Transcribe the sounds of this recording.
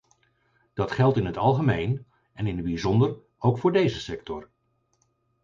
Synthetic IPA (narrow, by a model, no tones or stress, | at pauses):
d̥ɑtχɛlˠtɪnɦətɑlˠχəmejn | ɛnɪnɦəd̚bizɔndər | owkfʊːɹdejzəsɛk̚tɔɹ